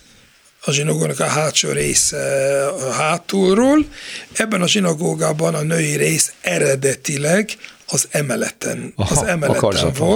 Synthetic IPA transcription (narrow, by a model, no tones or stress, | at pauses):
ɒʒinoɡoːɡnɒkɒɦaːt̪t͡ʃo̰ːɾḛːsɛ | ɦaːt̪olroːlɛbːɛnɒʒinɒɡoːɡaːbɒnɒnøjiɾeːsɛɾɛd̪ɛt̪ilɛɡɒzɛmɛlɛ̰t̪ɛ̰nɒzɛmɛlt̪ɛmvol